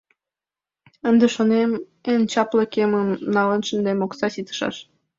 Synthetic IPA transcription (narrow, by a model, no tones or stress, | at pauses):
ənd̪eʃonem | ent͡ɕɑpləkemənnɑlənʃənd̪emoksɑsit̪ə̥ʃɑ̰ʃ